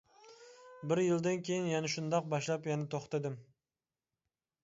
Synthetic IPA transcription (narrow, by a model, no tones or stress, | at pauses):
bɪɾjɪlˠd̪ɪnkʲʰejinjɛnɛʃund̪ɑq̚bɑʃlˠɑpjɛnɪt̪ʰoχt̪ɨd̪ɪm